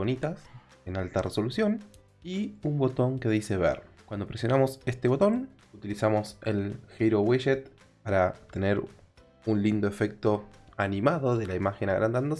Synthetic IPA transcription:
onit̪as | enalt̪arʔeso̞lusjo̞n | iumbo̞t̪o̞ŋke̞ðise̞βḛɾkwand̪o̞pɾesjonamo̞se̞st̪eo̞t̪o̞n | ut̪ilisamo̞sḛlxejɾoweʃet̪̚ | paɾat̪e̞neɾ | unlind̪o̞e̞fe̞k̚t̪o̞anĩmaðo̞ðe̞laimaxenaɣɾand̪and̪o

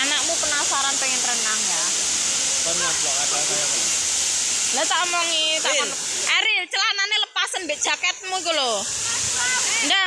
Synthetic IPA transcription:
anak̚mupənasaɾanpeŋinəɾənaŋja | t̪amd͡ʒakat̪a | lat̪aʔɔmɔŋit̪aɔnʔɛɾit͡ʃəlananeləpasənbeʔd̥ʒ̥a̤kɛt̪̚mukulo | nda

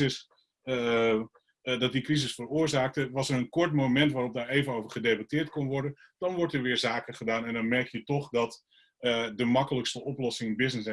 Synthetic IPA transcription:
ɪs | dɔt̚dikrizɪsfərʊːəɹzaːk̚təʋɑsərənkɔɹtmomɛntʋaːrɔp̚daːɹejvənowvərχədejbatɪːɹt̚konʋɔɹdə | d̥ɑnʋɔɹtəɹʋɪːɹzaːkəχədaːnɛndɔnmɛrkjətɔχdɑt | dəmɑkələkstəɔplɔsɪŋbɪznɪs

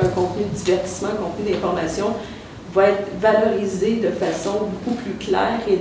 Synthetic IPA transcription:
ɛ̃kɔ̃t̪nyd̪əd͡z̪ivɛʁt̪i̥smãɛ̃kɔ̃t̪nyd̪ɛ̃fɔʁmasjɔ̃ | vaɛːt̪χvalɔʁized̪əfasɔ̃bokuplyklɛ̰ːʁe

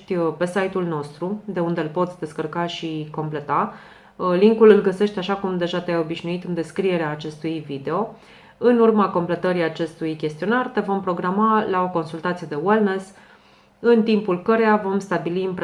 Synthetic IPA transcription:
t̪ʲpe̞sajt̪ulno̞st̪ɾud̪e̞und̪elpo̞t̪sʲd̪e̞skərkaʃiko̞mple̞t̪a | liŋkulɨlɡəse̞ʃt̪ʲaʃakumd̪e̞ʒat̪eajo̞biʃnuit̪ɨnd̪e̞skɾie̞ɾeaːt͡ʃe̞st̪ujvid̪e̞o̞ | ɨnurmako̞mple̞t̪əɾiat͡ʃe̞st̪ujkʲe̞st̪io̞nart̪e̞vo̞mpɾo̞ɡɾamalao̞ko̞nsult̪at̪sije̞d̪ewelnes | ɨnt̪impulkəɾe̞javo̞mst̪abiliɨmpɾ

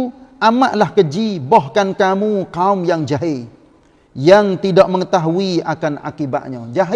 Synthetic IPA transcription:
amaʔlahkəd͡ʒibɔhkankamukaʊmjaŋd͡ʒaɦɪ | jaŋt̪idaʔməŋət̪aɦuiakana̰kiba̰ʔ̪̚ɲad͡ʒaɦ

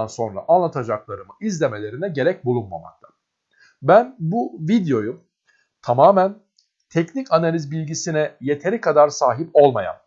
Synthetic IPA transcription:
anso̞nɾa̰ʔanlˠat̪ʰad͡ʒaklˠaɾɯmɯʔizlʲe̞me̞lʲe̞ɾinɛɟe̞ɾɛc̚bulˠunma̰ma̰k̚t̪ʰḁ | bænbuvid̪jo̞jum | t̪ʰamaːmæn | t̪ʰɛcnicanalʲizbilʲɟisinɛje̞t̪ʰe̞ɾikʰad̪aɾsaːɦipo̞lˠma̰ja̰n

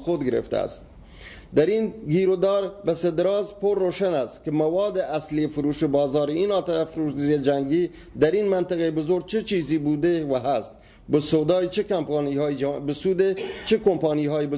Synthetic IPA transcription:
xod̪ɡɪɾḛft̪a̰æ̰st̪̚ | d̪æɾinɡiːɾod̪ɑːɾbesed̪ɾɑːzpoɾːoːʃanæst̪kemawɑːd̪eʔæsliefʊɾuːʃebɑːzɑːɾinɑːt̪afɾued͡ʒæŋɡiː | d̪æɾinmant̪ɪɣebʊzoɾ̚t͡ʃʰet͡ʃiːzibuːd̪ewaɦæst̪̚ | bəsod̪ɑːit͡ʃekampɑːnihɑːbəsud̪et͡ʃekompɑːniɦɑːib

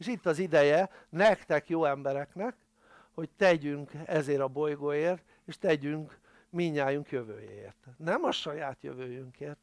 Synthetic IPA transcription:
eʃit̪ːɒzid̪ɛjɛnɛkt̪ɛkjoːɛmbɛɾɛknɛk | ho̞ct̪ɛɟyŋkɛzeːɾɒbo̞jɡoːjeːrt̪ | eːʃt̪ɛɟyŋk | miɲːaːjuŋkjø̞vø̰ːjḛḛːrt̪nɛmɒʃɒjaːt̪jø̰vøːjyŋkeːrt̪

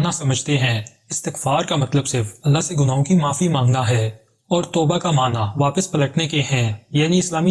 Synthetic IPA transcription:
nasɐməd͡ʒʱt̪eɦɛ̃ː | ɪst̪ɪkfaːɾkamɐt̪ləbsɪɾfɐlːaseɡʊnaːõkimaːfimãːŋɡd̪aɦɛː | ɔːɾt̪ɔːbakamaːnaʋaːpəspɐləʈnekeɦɛ̃ːjaːniɪslaːmi

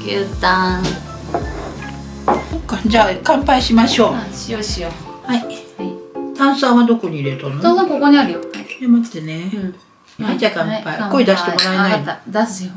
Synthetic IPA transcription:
ɡʲɯt̪a | sokːad͡ʑaːkãmpaiɕimaɕoːɕioɕiohai | t̪ãɰ̃sãɰ̃βad̪o̞koɲ̟iːɾet̪anoozõkokoɲiaɾɯ̟jod̪ematd̪ene | ad͡ʑakãmpaikoid̪aɕi̥t̪emoɾaenad̪asɨjo

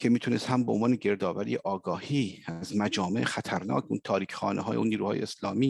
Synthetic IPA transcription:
cʰe̞miːt̪ʰunest̪hæmbeonvɒːne̞ɟe̞ɾd̪ɒːvæɾḭjeʔɒːɡɒːhiːzmæd͡ʒɒːmeʔxæt̪ʰæɾnɒ̰ːcʰunt̪ʰɒːɾiːcʰxɒ̰ːnʔeɦɒːjeunːiːɾuːhɒːjeeslɒːmiː

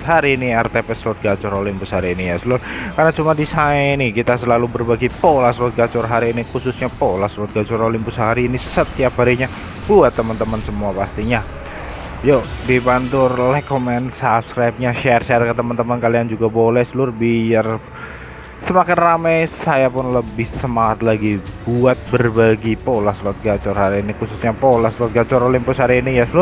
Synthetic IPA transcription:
haɾiːniɛrt̪epɛslʊt̪̚ɡat͡ʃʊɾolimpʊshaɾiːnijasəlʊrkarnat͡ʃumadisaɛnikit̪asəlalubərbaɡipolaslʊt̪̚ɡat͡ʃʊrɦaɾiːnikusʊsɲapolaslʊt̪̚ɡat͡ʃʊɾolimpʊsɦaɾiːnisət̪iap̚ɦaɾiɲa | buat̪ːəmənt̪əmənsəmuapast̪iɲa | jodibant̪ʊrlɛhkomɛnsapskɾajp̚ɲaʃɛrʃɛrkət̪əmənt̪əmənkaliand͡ʒuɡabolɛhsəlʊrbiar | səmakɪnramajsajapʊnləbɪhsəmaŋat̪laɡibuat̪̚bərbaɡipolasluʊt̪̚ɡat͡ʃɔrɦaɾiːnikususɲapolaslɔʊt̪̚ɡat͡ʃɔɾolimpʊsɦaɾiːnijaslʊr

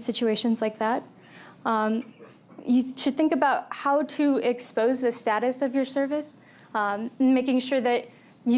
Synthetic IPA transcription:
sɪt͡ʃʉeɪʃɨ̃nzlaɪk̚ðæt̚ | ʌ̃m | jɨʃɨd̪̚θɪ̃ŋkɨbaʊt̚haʊɾɨɪkspoʊzðɨstæɾɨsʌvjə˞sɜ˞vɨs | ʌ̃n̩meɪkɪ̃ŋʃʊɹðɨt͡ʃ̚

